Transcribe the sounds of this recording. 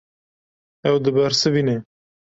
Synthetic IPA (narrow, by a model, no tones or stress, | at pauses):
ɛwd̪ɨbæɾsɨvine